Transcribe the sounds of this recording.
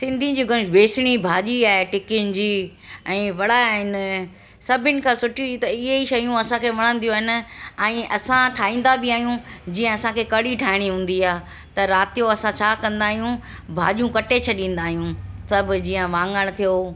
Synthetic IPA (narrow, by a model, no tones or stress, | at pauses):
sɪ̃nd̪ʱĩd͡ʑiːɡʊnɪbeːsɪɽ̃ibʱaːʄiaːɦeʈɪkɪjʊnɪ̆d͡ʑiːɛ̃ːʋɐɽ̤aɦɪnɪ | sɐbʱɪnɪ̆kʰãːsʊʈʰijũit̪ɐɪɦeiʃɐjũɐsãkʰeʋɐɽ̃ə̃n̆d̪iũaːɦɪn̆ɛ̃ːʔɐsãʈʰaːĩːn̆d̪abɪaːɦijũd͡ʑiːə̃ɐsãkʰekɐɽiʈʰaːɪɽ̃iɦũːn̆d̪iaː | t̪ɐɾaːt̪ijoɐsãt͡ɕʰaːkɐ̃nd̪aːɦijũ | bʱa̰ːʄjũkɐʈet͡ɕʰɐɗĩːn̆d̪aːɦijũsɐbʊd͡ʑiːə̃ʋãːŋɡəɽ̃̆t̪ʰijo